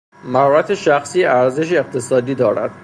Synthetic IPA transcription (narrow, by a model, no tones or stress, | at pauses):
mæhɒːɾæt̪ʰeʃæxsiːæɾze̞ʃ̬eːqt̪ʰesɒːd̪iːd̪ɒːɾæ̰d̪̥